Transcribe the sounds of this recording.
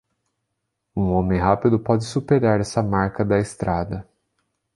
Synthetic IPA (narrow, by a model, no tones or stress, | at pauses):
ũõmẽj̃ɦapɪd̪ʊpɔd͡ʒɪsupeɾaɾɛsɐmaɾkɐd̪ɐɪst̪ɾʔad̪ɐ